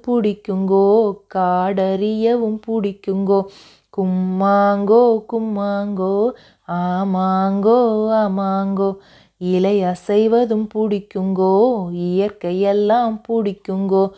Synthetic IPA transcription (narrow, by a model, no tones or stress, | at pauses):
pʊɽɪkːɯŋɡoːkaːɽɐɾɪjɐʋɯmpʊɽɪkːɯŋɡoː | kʊmːaːŋɡoːkʊmːaːŋɡoː | amaːŋɡoːamaːŋɡoː | ɪlɐɪɐsɐɪʋɐðɯmpʊɽɪkːɯŋɡoːɪjɐɾkɐjɛlːaːmpʊɽɪkːɯŋɡoː